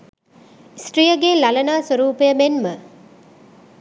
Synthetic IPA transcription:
isʈrijəɡeːlɐlɐnaːsəɾuːpejəmenmə

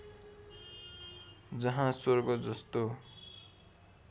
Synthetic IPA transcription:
d͡zʌɦãsorɡʌd͡zʌst̪o

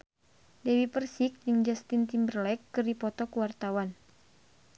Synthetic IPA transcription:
dɛwipərsik̚d͡ʒɨŋd͡ʒast̪int̪imbərlɛkːɨrdipɔt̪ɔkuwart̪awan

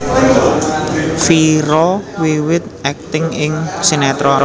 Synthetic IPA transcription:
fiɾɔwiwɪt̪̚ʔɛk̚t̪ɪŋɪŋsinɛt̪ɾɔ

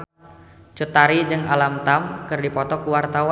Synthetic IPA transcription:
t͡ʃut̪aɾid͡ʒɨŋa̰lamt̪amkɨrdipɔt̪ɔkuwart̪awa

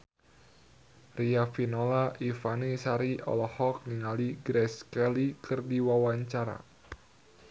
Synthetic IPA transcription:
riafinolaʔifanisaɾiʔɔ̰lɔhɔk̚niŋaliɡɾɛskɛlikʰɨrdiwawaɲt͡ʃaɾa̰

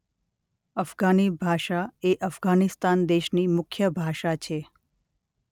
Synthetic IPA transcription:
əfɡanibʱaʃaeʔəfɡanist̪and̪eʃnimʊkʰːjəbʱaʃat͡ʃʰe

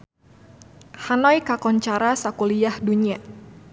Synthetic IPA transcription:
hanɔjkakɔɲt͡ʃaɾasakuliahduɲia

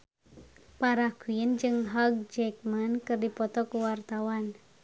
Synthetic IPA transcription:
paɾahkuiənd͡ʒɨŋɦaɡ̚d͡ʒɛk̚mankɨrdipɔt̪ɔkuwart̪awan

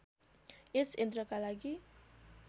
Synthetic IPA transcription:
esend̪rʌkalaɡi

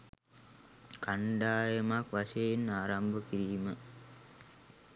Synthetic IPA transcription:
kaɳɖaːjəmakʋaʃejinaːɾambʱəkiɾiːmə

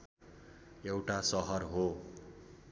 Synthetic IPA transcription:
ewʈasʌɦʌrɦo

